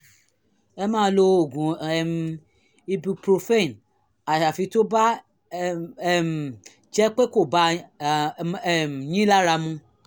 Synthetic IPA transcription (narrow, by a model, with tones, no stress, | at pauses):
ɛ˦mã˦˧˨lo˧˨ɡũ˨ɛ˨m | i˦bi˧pɾo˧fe˦i˨n | a˨ʃa˨fi˧to˦ba˦˨ | m | t͡ʃɛ˦k͡pe˦ko˨ba˧˨ | m˨ɲĩ˦la˦ɾa˧mũ˧